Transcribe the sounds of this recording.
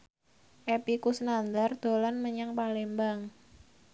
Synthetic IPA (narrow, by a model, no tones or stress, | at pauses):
ʔepikusnand̪ard̪̥olanməɲaŋpalembaŋ